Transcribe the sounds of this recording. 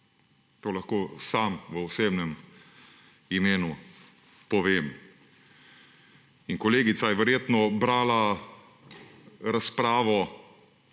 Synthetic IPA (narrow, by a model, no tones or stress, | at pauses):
t̪oːlaxkoːsaːmʋəɔseːbnɛm | imeːnu | pɔʋeːm | inkɔleːɡit̪sajɛʋɛɾjeːt̪nɔbɾaːla | ɾaspɾaːʋɔ